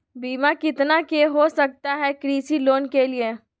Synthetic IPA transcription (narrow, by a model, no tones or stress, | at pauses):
biːmakɪt̪nakeɦosɐk̚t̪aɦɛkɾiːsiloːnkelie